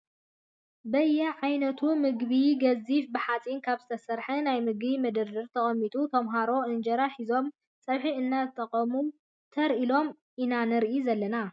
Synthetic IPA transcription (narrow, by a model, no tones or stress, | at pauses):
bɐjːɛʕajnɐt̪ʰumɨɡβiɡɐzifbɨħat͡sʼinkʰaβzɨt̪ʰɐsɐɾħɐnajmɨɡbimɐd̪ɨɾdɨɾt̪ʰɐχʼɐmːit̪ʼut̪ʰɐmɦaɾo̞ʔɨnd͡ʒɐɾaħizo̞m | sʼɐβħiɨnːazɨt̪ʼɐqʼːɐmu | t̪ʰɐɾʔilo̞m | ʔinanɨɾʔizɐlːɐna